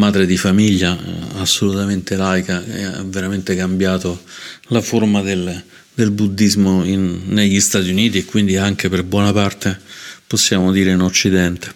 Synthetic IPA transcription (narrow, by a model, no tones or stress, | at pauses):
maːd̪ɾed̪ifamiʎːaasːolut̪ament̪elajkaɛ̰a̰veɾament̪ekambjaːt̪olaformad̪el | d̪elbud̪ːizmoinːeʎːist̪aːt̪iuniːt̪iekːwind̪iaŋk̟eperbwɔnapart̪eposːjaːmod̪iːɾeinot͡ʃːid̪ɛnt̪e̥